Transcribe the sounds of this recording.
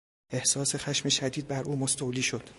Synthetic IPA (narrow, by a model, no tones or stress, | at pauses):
e̞hsɒːse̞xæʃmeʃæd̪iːd̪̚bæɾʔuːmost̪owliːʃo̞d̪̥